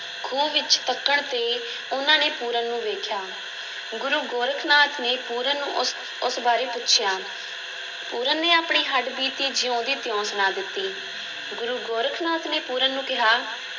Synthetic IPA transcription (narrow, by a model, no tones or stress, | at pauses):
ɡʰʱuːʋɪt͡ʃt̪əkːəɳt̪eː | ʊnãːneːpuːɾənːũːʋeːkʰjaː | ɡʊɾuːɡoːɾəkʰnaːt̪ʰneːpuːɾənnːṵ̃ːʔʊs | ʊsbaːɾeːpʊtːʃʰjaː | puːɾənnːeːaːpɳiːɦəɖbiːt̪iːd͡ʒɪjõːd̪iːt̪ɪjɔ̃ːsnaːd̪ɪt̪ːiː | ɡʊɾuːɡoːɾəkʰnaːt̪neːpuːɾənːũːkɪɦaː